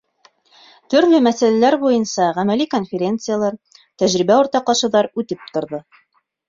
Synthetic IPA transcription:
t̪ɵ̆ɾlɵmæsælælæɾbujɤnsɑʁæmæliko̞nfʲeɾʲent̪sɨjalˠɑɾ | t̪æʒɾibæuɾt̪ɑq̪ɑʃɤ̆ðɑɾʉt̪ɘp̚t̪ŏɾðɤ

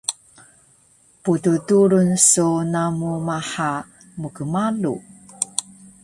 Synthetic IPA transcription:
pututuɾunsunamumaħa | mukəmalṵ

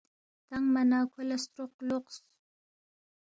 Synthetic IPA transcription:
t̪aŋmanɑːkʰʊlast̪ɾoq̚loqs

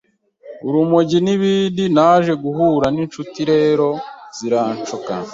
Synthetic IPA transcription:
uɾumoɟiniβiːndinaːʒe̞ɡuɦuːɾanint͡ʃutiɾe̞ːɾo̞z̥iɾaːnt͡ʃoka̰

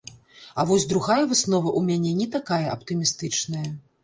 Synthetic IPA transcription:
ɐvɔsʲd̪ɾuɣajɐvɨsnɔvɐʔumʲanʲɛnʲɛt̪akajɐʔɐpt̪ɨmʲist̪ɨt͡ʂnɐjɐ

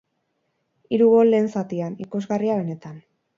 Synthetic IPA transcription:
iɾuɣo̞le̞ːnsat̪ianiko̞zɣariaβe̞ne̞t̪an

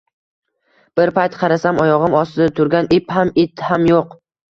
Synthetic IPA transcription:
b̥ɪɾpʰajt̪qʰɑɾasamɒjɒʁɨmɒsɪd̪at̪ʰʊɾɡʲanʔɪphamɪt̪hamjoq

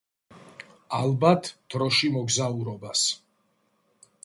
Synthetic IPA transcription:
alˠbat̪ʰd̪̥ɾɔʃimɔɡzauɾɔbas

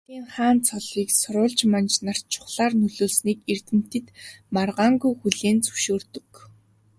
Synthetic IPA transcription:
iːŋχaːnt͡sʰɔɮiːksʊɾʊːɮt͡ɕmant͡ɕnar̥t͡ɕʰʊ̥χɮaːrnɵɮoːɮsniːkert̪ɘ̆m̥t̪ɘ̆t̪marʁaːŋɡujxuɮeːnt͡sɵ̥ʃoːrt̪ɵ̆k

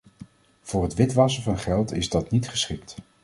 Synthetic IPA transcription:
v̥ʊːɹɦətʋɪtʋɑsəvɑnχɛlˠtɪ̰zdɑtnitχəsχɪk̚t

